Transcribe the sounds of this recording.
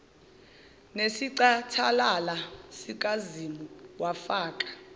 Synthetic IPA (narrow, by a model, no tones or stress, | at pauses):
nesiǀatʰalalasik̬ʼazimuwafaːkʼḁ